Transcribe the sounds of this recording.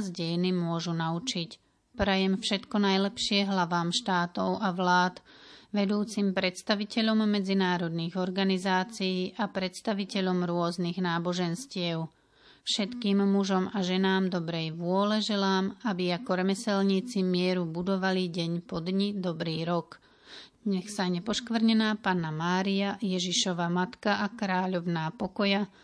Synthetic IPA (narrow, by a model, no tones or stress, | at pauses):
zɟɛjnimʊɔʒunaut͡ʃic | pɾɛjɛmfʃɛt̪kɔnajlɛpʃɪɛɦlaʋaːmʃt̪aːt̪ɔʊaʋlaːt̪ʋɛd̪uːt͡simpɾɛt̪st̪aʋicɛʎɔmːɛd͡zinaːɾɔd̪niːɣɔɾɡanizaːt͡sijiːʔapɾɛt̪st̪aʋicɛʎɔmɾʊɔzniɣnaːbɔʒɛnscɪɛʊ | fʃɛt̪kiːmːuʒɔmaʒɛnaːmd̪ɔbɾɛjʋʊɔlɛʒɛlaːmabiakɔɾɛmɛsɛlɲiːt͡simɪɛɾubud̪ɔʋaliɟɛɲpɔd̪ɲid̪ɔbɾiːɾɔk | ɲɛxsaɲɛpɔʃkʋr̩ɲɛnaːpanamaːɾiajɛʒiʃɔʋamat̪kaʔakɾaːʎɔʊnaːpɔkɔja